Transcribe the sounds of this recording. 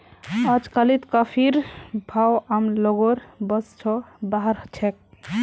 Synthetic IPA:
əd͡ʒkəlit̪kəpʰiɾbʱawamloɡoɾbəst͡ʃʰɔbaɦəɾt͡ʃʰek̚

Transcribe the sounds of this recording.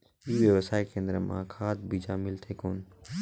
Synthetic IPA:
iːʋjeʋəsaːekẽːnd̪ɾəmã̰kʰaːd̪bʱiʃaːmɪlt̪ʰeːkoːn̆

